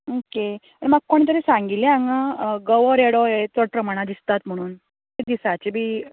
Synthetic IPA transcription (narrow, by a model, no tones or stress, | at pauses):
oke | əɽimaɡkːoɽit̪əɾesãŋɡileãŋɡaɡəʋəɾeɽɔjet͡s̪ɔɽpɾəmaɽ̃ad̪ist̪at̪m̤əɽ̃uːn | ted̪isat͡ɕebʱiː